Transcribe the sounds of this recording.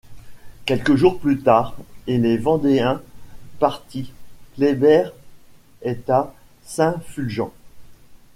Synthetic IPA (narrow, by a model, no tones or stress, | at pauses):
kʲɛlkəʒuʁplyt̪aːʁelevɑ̃d̪eɛ̃paʁt̪iklebɛʁ | ɛt̪a | sɛ̃fylʒɑ̃